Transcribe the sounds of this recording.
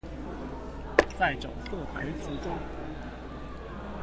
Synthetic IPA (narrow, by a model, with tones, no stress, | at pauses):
t͡sa˥˩ɪʈ͡ʂo̰˨˩ʊsɤ˥˨˩pa̰˧˥ɪt͡su˧˥ʈ͡ʂʊ˥ŋ